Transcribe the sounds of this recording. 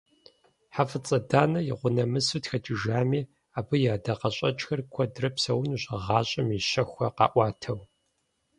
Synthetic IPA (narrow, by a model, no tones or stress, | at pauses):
ħafɨt͡sʼɐdaːnɐjɪʁʷʊnɐmɨsutxɐt͡ʃʼɪʒaːmiː | aːbɨjaːdɐqɐɕʼɐt͡ʃʼxɐrkʷʰɔdrɐpsɐwnuɕʼɐʁɑːɕʼɐmiʃɐxʷɐqɑ̰ːʔʷɑːtʰɐw